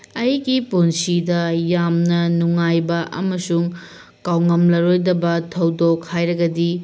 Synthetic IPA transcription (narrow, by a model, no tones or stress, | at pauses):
ɐjɡipunsidɐjamnɐnuŋajbɐʔɐ̰mɐsuŋ | kawŋɐmlɐɾojdɐbɐtʰɐwdokʰhajɾɐɡɐdi